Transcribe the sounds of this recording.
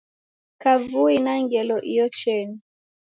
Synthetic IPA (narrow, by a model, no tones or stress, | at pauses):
kavuinaŋɡɛlɔʔiɔt͡ʃɛni